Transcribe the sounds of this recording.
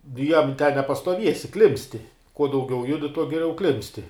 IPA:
nʊ ˈjɛm tʲɛn nʲɛpɐstuɔˈʋʲiɛsʲɪ ˈklʲɪmʲpʲsʲtʲɪ kuɔ dɐʊˈɡʲɛʊ ˈjʊdʲɪ tuɔ ɡʲɪˈlʲɛʊ ˈklʲɪmʲpʲsʲtʲɪ

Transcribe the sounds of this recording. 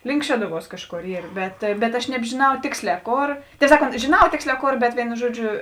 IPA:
lʲɪŋk ˈʃʲæːdʊˌʋuɔs ˈkɑːʃˌkoːr ˈiːr ˈbʲɛt bʲɛt ɐʃ nʲɛbʲʒʲɪˈnɐʊ ˈtʲeːksʲˌlʲɛː ˈkoːr tʲɛɪ ˈsɑːkˌoːnt ʒʲeːˈnɐʊ ˈtʲeːksʲˌlʲɛː ˈkoːr bʲɛt ˈʋʲeːɪnʊ ˈʒuɔˌd͡ʒʲʊ

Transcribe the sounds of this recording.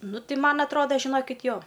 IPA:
ˈnʊ ˈtʲɪ ˈmɐn ɐtˈroːdɐ ʒʲɪˈnoːkʲɪtʲ ˈjoː

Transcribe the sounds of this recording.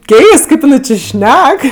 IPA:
ˈkʲɛɪst ˈkɐɪp jɪˈnɐɪ t͡ʃʲɪ ˈʃʲnʲɛk

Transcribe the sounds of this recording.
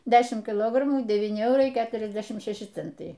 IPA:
ˈdʲæːʃʲɪm kʲɪˈlˠoːɡrɐmuː dʲɛˈʋʲiːnʲɪ ˈɛʊrɐɪ ˈkʲæːtʲrʲɛzʲdʲɛʃʲɪm ˈʃʲæːʃʲɪ ˈt͡sʲɛntɐɪ

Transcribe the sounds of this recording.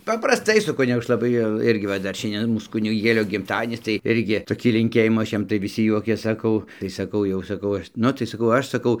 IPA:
pɐprɐsˈtɐɪ sʊ ˈkʊnʲɪɡʊ ˈɐʃ lˠɐˈbɐɪ jɛʊ ˈɪrʲɡʲɪ ʋɐ ˈdɐr ˈʃʲɛnʲdʲiɛn ˈmuːs kʊnʲɪˈɡʲeːlʲoː ɡʲɪmˈtɑːdʲiɛnʲɪs tɐɪ ˈɪrʲɡʲɪ toːˈkʲiː lʲɪŋʲˈkʲeːjɪmuː ˈɐʃ ˈjɛm tɐɪ ʋʲɪˈsʲɪ ˈjuɔkʲeːs sɐˈkɐʊ tɐɪ sɐˈkɐʊ jɛʊ sɐˈkɐʊ ˈɐʃ ˈnʊ tɐɪ sɐˈkɐʊ ˈɐʃ sɐˈkɐʊ

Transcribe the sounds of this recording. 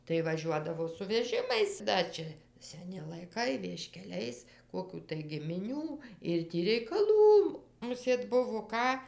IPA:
tɐɪ ʋɐˈʒʲuɔdɐʋoː sʊ ʋʲɛˈʒʲɪmɐɪs ˈdɐ t͡ʃʲɛ sʲɛˈnʲɪ lˠɐɪˈkɐɪ ʋʲiɛʃʲkʲɛˈlʲɛɪs ˈkoːkʲuː tɐɪ ɡʲɪmʲɪˈnʲuː ɪr ˈtʲiː rʲɛɪkɐˈlˠuː mʊˈsʲeːt ˈbʊʋoː ˈkɑː

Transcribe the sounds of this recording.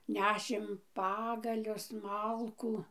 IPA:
ˈnʲæːʃʲeːm ˈpɑːɡɐlʲʊs ˈmɐlˠkuː

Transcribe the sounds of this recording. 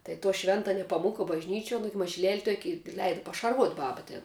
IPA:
tɐɪ toː ˈʃʲʋʲɛntɐ nʲɛpɐˈmʊkɐ bɐʒʲˈnʲiːt͡ʃʲuɔ ˈnʊɡʲɪ mɐʒʲɪˈlʲɛlʲ ˈtuɔkʲɪ ɪ ˈlʲɛɪdɐ pɐʃɐrˈʋuɔtʲ ˈbɑːbɐ tʲeːn

